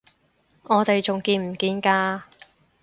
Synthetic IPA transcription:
ŋɔː˨˧t̪e˨jt͡ʃʊ˨ŋkiː˧nm̩˨˩kiː˧nkaː˧

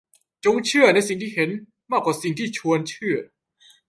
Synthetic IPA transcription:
t͡ɕo˧˥ŋt͡ɕʰɯ˥˩ɐna˧˥js̬i˨˩ŋt̪ʰiː˥˩he˩˦n | maː˥˩kwaː˨˩si˨˩ŋt̪ʰiː˥˩t͡ɕʰu˧ənt͡ɕʰɯ˥˩ɐ

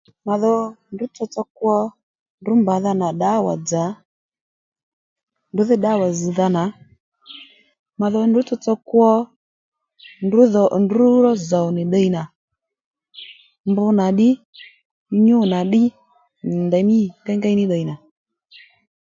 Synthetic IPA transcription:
ma˨ðɔ˧ndʊ˨˦t͡sɔ˧t͡sɔ˧kwɔ˧ | ndʊ˨˦mba˨˦ða˧na˨ɗa˨˦wa̰˨d͡za˨˦ | ndʊ˨˦ðɪ˦ɗa˨˦˨wa˨zi˨ða˧na˨˦ | ma˨ðɔ˧ndʊ˨˦t͡sɔ˧t͡sɔ˧kwɔ˧ | ndʊ˨˦ðɔ˨ndu˨˦ɾɔ˦zɔ˨nɪ˨ɗə˧i˨na˨ | mbʊ˧na˨ɗɪ˦ | ɲu˦˨na˨ɗɪ˦ | n˨ndɛ˨˦mi˦˨tɛ˦ŋɡa˦i˦nɪ˦ɗə˨i˨na˨

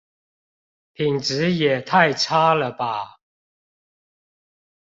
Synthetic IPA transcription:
pʰi˨˩ŋʈ͡ʂ̩˨˦jɛ˨˩t̪ʰa˥˨ɪʈ͡ʂʰa˥lə˨ba˨

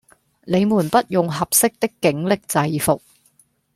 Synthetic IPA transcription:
le˨˧jmuː˨˩npɐ˥t̚jʊ˨ŋɦɐ˨p̚sɪ˥k̚t̪ɪ˥kːɪ˨˥ŋlɪ˨k̚t͡sɐ˧jfʊ˨k̚

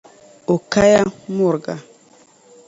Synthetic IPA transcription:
o˨ka˦ja˦mo˦˨ɾɡa˨

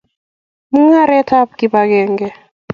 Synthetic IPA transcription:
mu˦ŋa˦ɾɛ˦ta˦p̚ki˦ba˦ɡɛ˨ŋɡɛ˦

